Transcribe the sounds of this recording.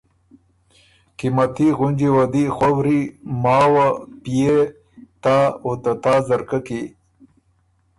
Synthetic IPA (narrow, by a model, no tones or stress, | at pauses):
kimat̪iɣʊnd͡ʒiwad̪ixwɐwɾimaːwapije | t̪aot̪at̪aːzɐɾkaki